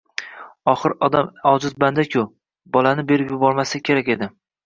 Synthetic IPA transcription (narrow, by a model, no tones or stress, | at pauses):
ɒχɨɾɒd̪amɒzɪzband̪akʲʰʊ | bɒlanɪbe̞ɾɪpjʊbɒɾmasakʲʰe̞ɾakʲe̞d̪ɪ